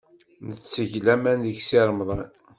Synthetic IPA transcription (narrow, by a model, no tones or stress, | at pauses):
nət͡sːəʝlæmænðəçsiɾˤmðˤɑn